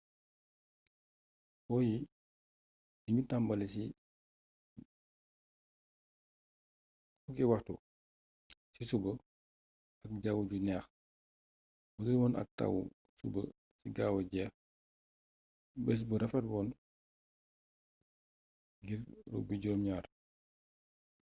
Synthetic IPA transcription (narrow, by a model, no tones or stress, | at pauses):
wɔːji | iɲutambɐlisi | fukiwɐxtu | sisubə | ɐk̚ɟawuɟunɛːx | wɐdilwɔːnɐ̰k̚ta̰wṵ | sṵbə̰ | siɡawɐɟɛːx | bɛs̬bəɾɐfɐt̚bɔːn | ɡiɾrɔ̰ɡ̚biɟɔːmɲaːr